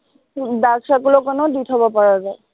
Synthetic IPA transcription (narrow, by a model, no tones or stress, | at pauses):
baksakulɔkɔnɔditʰɔbɔpaɹabɛ